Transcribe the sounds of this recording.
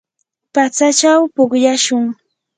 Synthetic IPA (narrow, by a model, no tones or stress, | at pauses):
pat͡sat͡ʃawpʊχjaʃʊŋ